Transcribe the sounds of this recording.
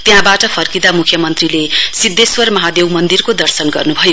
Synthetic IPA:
t̪jɦãbaʈʌpʰʌrkid̪amukʰjʌmʌnt̪rilesid̪eswʌrmʌɦad̪ewmʌnd̪irkod̪ʌrsʌnɡʌ̰rnubʱʌjo

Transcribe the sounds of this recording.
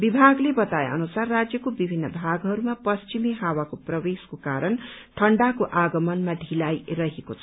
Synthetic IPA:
bibʱaɡlebʌt̪ajḛʌ̰nusarːad͡zjʌkobibʱinːʌbʱaɡɦʌɾumapʌst͡ʃimiɦawakoprʌweskokaɾʌnʈʰʌɳɖakoʔaɡʌmʌnmaɖʱilajrʌɦekot͡sʰʌ

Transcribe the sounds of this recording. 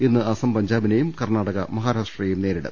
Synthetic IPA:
inːɨɐsɐmpɐɲd͡ʑaːbinejumkɐrnaːɽɐɣɐ̰mɐɦaːɾaːʂʈrɐjejumne̞ːɾiɽɐ̰m

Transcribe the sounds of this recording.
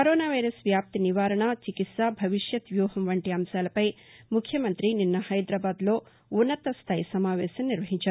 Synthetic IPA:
kɐɾoːnaːʋɐjɾɐsʋjaːp̚t̪iniʋaːɾɐɳaːt͡ʃikit̪saːbʱɐʋiʂjɐt̪ʋjuːɦɐmʋɐɳʈiɐmʃaːlɐpɐjmukʰjɐmɐnt̪ɾininːɐhɐjd̪ɾaːbaːd̪lo̞ː | unːɐt̪ɐst̪ʰaːjsɐmaːʋɛːʃɐmniɾʋɐɦiɲt͡ʃaːɾu

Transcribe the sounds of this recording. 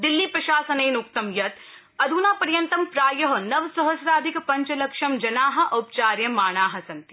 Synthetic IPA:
d̪ilːipɾɐʃaːsɐneːnuk̚t̪ɐmjɐt̪ | ɐd̪ʱuːnaːpɐɾjɐnt̪ɐmpɾaːjɐɦɐ̆nɐʋsɐɦɐsɾaːd̪ʱikɐpɐɲt͡ʃɐlɐkʂɐmd͡ʒɐnaːɦɐ̆ʔɐːp̚t͡ʃaːɾjɐmaːɳ̃aːɦɐ̆sɐnt̪i̥

